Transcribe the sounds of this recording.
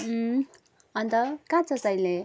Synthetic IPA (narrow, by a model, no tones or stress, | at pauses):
ʌnt̪ʌkãt͡sʰʌsʌjle